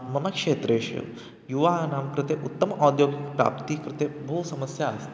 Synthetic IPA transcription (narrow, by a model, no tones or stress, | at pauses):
mɐnɐkʂeːt̪ɾeʃjo̰ | juʋanaːmkɾɨt̪eʔut̪ːɐmɐʔɔd̪joːɡikpɾa̰ːpt̪iːkɾɪt̪ebʱuʋsɐməsjaːst̪